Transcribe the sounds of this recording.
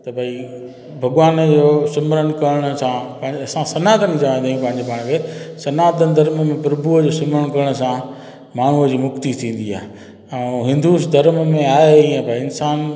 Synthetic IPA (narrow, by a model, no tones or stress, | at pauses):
t̪ɐbʱai | bʱɐɠʋaːnd͡ʑoːsʊmɾəɽ̃kɐɾɪɽ̃əsãpɐ̃ɦɪ̃ɲɐsãsɐnaːt̪ənĩd͡ʑaːʋãj̃nd̪aːjũpɐ̃ɦɪ̃ɲd͡ʑepaːɽ̃kʰeːsɐnaːt̪ənɪd̪ʱɐɾməmẽpʊɾbuəd͡ʑoːsʊmɾəɽ̃kɐɾɪɽ̃s̬ã | maːɳ̤uəd͡ʑiːmʊkt̪it̪ʰĩːn̆d̪ia̰ːɦe | ɛ̃ːɦɪ̃nd̪usd̪ɐɾmmẽaːeiɛ̃bʱaiɪnsaːn